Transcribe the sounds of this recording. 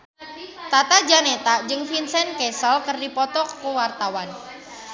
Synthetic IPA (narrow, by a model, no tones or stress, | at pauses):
t̪at̪ad͡ʒanet̪ad͡ʒɨŋfinsɛnkɛsɔlkərdipɔt̪ɔkːuwart̪awan